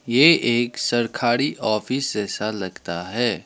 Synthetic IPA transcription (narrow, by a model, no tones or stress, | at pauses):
jeʔeːksɐɾkʰaːɾiʔɔːfɪsd͡ʒɛːsalɐɡt̪aɦɛː